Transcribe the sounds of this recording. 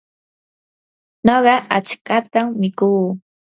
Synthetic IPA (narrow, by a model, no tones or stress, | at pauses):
noɢɑat͡ʃkat̪amːɪkuː